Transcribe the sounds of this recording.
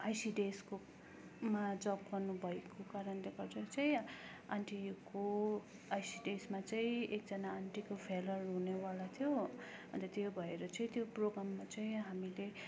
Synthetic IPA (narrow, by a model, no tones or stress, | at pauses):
ajsiɖesko | mad͡zʌpɡʌrnubʱʌekokaɾʌnleɡʌrd͡zʌt͡sʌĩ | aɳʈijuko | ajsiɖesmat͡sʌĩek̚d͡zʌnaːɳʈikopʰelʌrɦunewalat̪ʰjoʌnt̪ʌt̪jobʱʌeɾʌt͡sʌĩt̪joproɡramːat͡sʌĩɦamile